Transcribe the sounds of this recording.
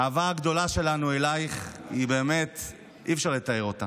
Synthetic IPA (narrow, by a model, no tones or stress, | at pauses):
aːvaaɡd̪o̞laʃe̞lanuelajχibe̞ːme̞t̪ | ʔifʃaʁlet̪aeʁo̞t̪a